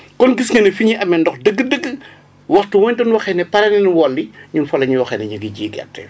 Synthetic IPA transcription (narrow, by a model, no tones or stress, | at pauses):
kɔnɡisŋɐnɛfiɲiʔɐmːɛndɔxdəɡːədəɡːə | wɐxtumɔɲdɔnwɐxɛnɛpɐɾɐnɛnwɔlːiɲunfɐlɐɲuwɐxɛnɛɲuɡiɟiːɡɛ̰rtːɛ̰